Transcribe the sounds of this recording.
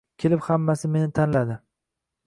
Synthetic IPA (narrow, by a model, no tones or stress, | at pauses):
kʲʰe̞lɪphamːasɪme̞nɪt̪ʰanlad̪ɪ